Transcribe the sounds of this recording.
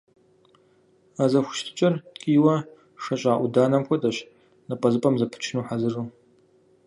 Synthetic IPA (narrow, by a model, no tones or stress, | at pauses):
azɐxʷʊ̥ʃtʰɨ̥t͡ʃʼɐrkʼiːwɐ | ʂɐɕʼaːʔʷʊdaːnɐmxʷʰɔtʼɐɕ | nɐpʼɐzɨpʼɐmzɐpʰɨ̥t͡ʃʰnuːħazɨruː